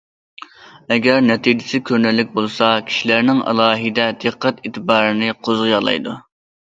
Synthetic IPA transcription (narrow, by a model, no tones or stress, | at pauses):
ɛɡʲæɾnɛt̪ʰid͡ʒɪsɪkʲʰøɾnɛlːɪk̚ʲbolˠsɑkʲʰi̥ʃilæɾnɪŋɑ̰lˠɑːɦid̪ɛd̪̥ɨqʰːɛt̪iːt̪ʰɨbɑːɾɨnɨqʰozʁɨjɑlˠɑ̰jd̪u